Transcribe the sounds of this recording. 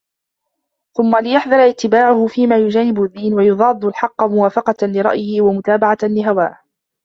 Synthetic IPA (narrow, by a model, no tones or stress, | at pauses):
θʊmːalɪjaħd̪ˤɑɾˤɑʔɪt̪ːɪbaːʕʊhʊfiːmaːjʊd͡ʒaːnɪbʊðːiːnwajʊðˤɑːd̪ˤːlħɑqːɑmʊwaːfɑqɑlɪɾˤɑ̰ʔjɪhɪwamʊt̪aːbaʕalɪɦawa̰ː